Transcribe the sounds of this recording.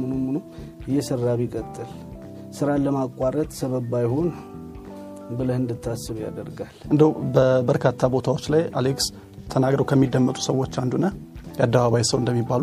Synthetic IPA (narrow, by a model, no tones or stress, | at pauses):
mɨnomɨnu | jɛsəɾːaβikʼət̪ʼːɨl | sɨɾaləmakʼwaɾət̪səβəbajho̞n | bɨləhɨnd̪ɨt̪ʰːasːɨβuja̰d̪əɾɡalʔɨnd̪əwbəbəɾkʰat̪ʰːabo̞t̪ʰawot͡ʃːlaja̰leks | t̪ʰənaɡɾəwkʰəmːid̪ːəmːət̪ʼu̥səwːot͡ʃːand̪unəjad̪ːəβaβajsəwnd̪əmːibːalu